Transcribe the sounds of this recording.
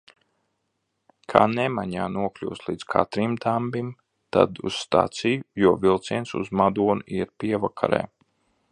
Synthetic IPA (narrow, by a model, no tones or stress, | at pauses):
kʰaːnɛmaɲaːnuɔklʲṵwslˠiːd̪z̥kʰa̰t̪ɾimd̪ambim | t̪a̰d̪ṵsst̪a̰ːt̪sijujuɔvilˠt̪siɛnsṵzmad̪uɔnuʔiɾpʲiɛvakʰa̰ɾɛ̰ː